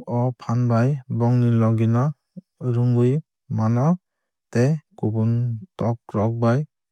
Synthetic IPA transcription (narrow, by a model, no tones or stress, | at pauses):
ɔpʰanbajbɔŋnilɔɡina | ɾuŋbɯj | manɔ | tekubuntɔk̚ɾɔk̚baj